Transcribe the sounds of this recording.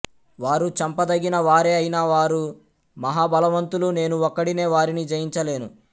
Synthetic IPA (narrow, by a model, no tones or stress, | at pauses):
ʋaːɾut͡ʃɐmpɐd̪ɐɡinɐʋaːɾeːɐjinaːʋaːɾu | mɐɦaːbɐlɐʋɐnt̪ulune̞ːnuɔkːɐɽine̞ːʋaːɾinid͡ʒɐjiɲt͡ʃɐle̞ːnu